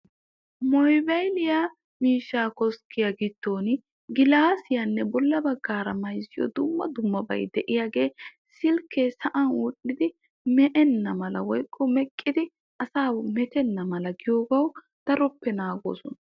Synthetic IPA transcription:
mɔjbɐjlɪjaː | miːʃːaːkɔskʰɪjɐɡɪt̪ːo̞ːn | ɡɪlaːsɪjɐnːɛbɔlːɐbɐɡːaːɾɐmɐjzɪjɔ̰d̪ʊmːɐ̰d̪ʊmːɐbɐ̰jd̪ɛʔɪjaɡe̞ː | sɪlkːesɐʔɐnwʊɗɪd̪ɪ | mɛʔɛnːɐmɐlɐwɔjkʼːɔmɛkʼːɪd̪ɪ | ʔɐsaːmɛt̪ɛnːɐmɐlɐɡɪjoːɡɐw | d̪̥ɐɾɔpːɛnaːɡo̰ːsɔnɐ

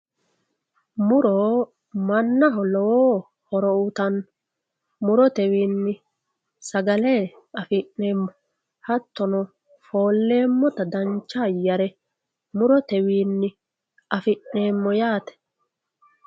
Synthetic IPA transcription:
mʊɾɔ | mɐnːɐɦɔlɔwoː | hɔɾɔʊt̪ɐn | mʊɾɔt̪ɛwiːnːɪ | sɐɡɐleː | ɐfɪʔːeːmːɔ | hɐt̪ːɔnɔ | fo̞ːlːe̞ːmːɔt̪ɐd̪ɐnt͡ʃːajɐɾɛ | mʊɾɔt̪ɛwiːnːɪ | ɐfɪʔne̞ːmːɔjaːt̪ɛ̥

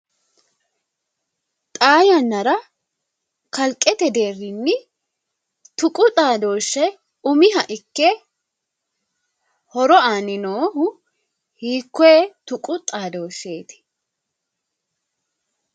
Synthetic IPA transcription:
t̪ʼaːjɐnːɐɾɐ | kɐlkʼːɛt̪ɛd̪eːrːɪnːɪ | t̪ʊkʼʊt̪ʼaːd̪o̞ːʃːɛ | ʊmɪɦɐʔɪkːɛ | hɔɾɔaːnɪnoːhʊ | hiːkːɔeːt̪ʊkʼʊt̪ʼaːd̪o̞ːʃːe̞ːt̪ɪ̥

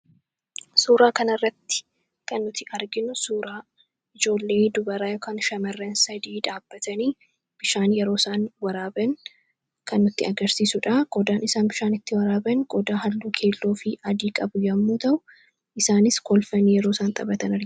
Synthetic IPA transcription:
suːɾaːkɐnɐrːɐt̪ːɪ̥ | kɐnːʊt̪ɪʔɐɾɡɪnʊsuːɾaː | ʔɪd͡ʒo̞ːlːe̞ːd̪ʊbɐɾaːjɔkɐːnʃɐmɐrːɐnsɐd̪iːᶑaːb̥ːɐt̪ʰɐniː | b̥ɪʃaːnjɛɾo̞ːsaːnwɐɾaːbɐn | kɐnːʊt̪ːɪɐɡɐɾsiːsʊᶑaːɡ̥ɔd̪aːnɪsaːnbɪʃaːnɪt̪ːɪwɐɾaːbɐnɡ̥ɔd̪aːɦɐlːuːkʰe̞ːlːoːfɪɐd̪iːkʼɐbʊjɐmːuːt̪ɐʔʊ | ʔɪsaːnɪskɔlfɐniːjɛɾoːsaːnt̪ʼɐbɐt̪ɐnɐɾ

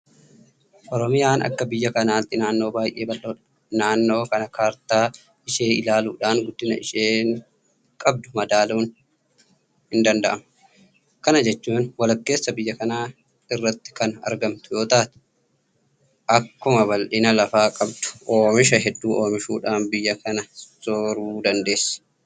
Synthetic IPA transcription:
ʔɔɾɔmɪjaːnɐ̰kːɐbɪjːɐkɐnaːt̪ːɪnaːnːo̞ːbaːjʔe̞ːbɐlʔoːᶑɐ | naːnːo̞ːkɐnɐkaːɾt̪aː | ɪʃe̞ːɪlaːluːᶑaːnɡʊd̪ːɪnɐɪ̰ʃeːn | kʼɐb̚d̪ʊmɐd̪aːluːn | hɪnd̪ɐnd̪ɐʔɐmɐ | kɐnɐd͡ʒɛt͡ʃːuːnwɐlɐkːe̞ːsːɐbɪjːɐkɐnaː | ɪrːɐt̪ːɪ̥kɐnɐ̰ɾɡɐmt̪ʊjo̞ːt̪aːt̪ʊ̥ | ʔɐkːʊmɐβɐlʔɪnɐlɐfaːkʼɐbd̪ʊ̥ʔoːmɪʃ̬ɐɦɛd̪ːuːʔo̞ːmɪʃuːᶑaːnbɪjːɐkɐnɐsoɾuːd̪ɐnd̪e̞ːsːɐ̥

